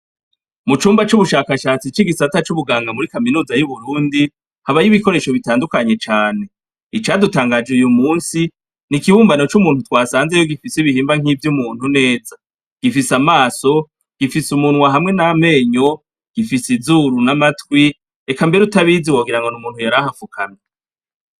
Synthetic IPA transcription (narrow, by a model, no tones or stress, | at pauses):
mut͡ʃuːmbat͡ʃuβuʃaːkaʃaːt͡sit͡ʃiɡisatat͡ʃuβuɡaːŋɡamuɾikaminuːzajuβuɾuːndi | haβajiβiko̞ɾe̞ʃo̞βitaːndukaɲe̞t͡ʃaːne̞ | it͡ʃaːdutaːŋɡad͡ʒeujumuːnsi | nikiβuːmbano̞t͡ʃumuːnhutwaːsaːnzejoɡifisiβihiːmbaŋivjumuːn̥hune̞ːza | ɡ̥ifisamaːso̞ | ɡ̥ifisumunwaɦamŋe̞name̞ːɲo̞ | ɡ̥ifisizuːɾunamatwi | ekambeɾutaβiziwoɡiɾaŋɡo̞numuːnhujaɾahafukʰana